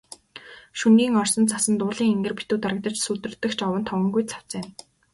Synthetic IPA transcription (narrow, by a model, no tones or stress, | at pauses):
ʃunɡiːŋɔrsɞ̆nt͡sʰasə̆nt̪ʊːɮiːŋeŋɡɘ̆rpit̪uːt̪aɾə̆k̚t̪ə̆t͡ɕsut̪ɘ̆rt̪ːɘ̆xt͡ɕɔwə̆nt̪ʰɔwɞ̆ŋɡujt͡sʰḁw̥t͡sɘːn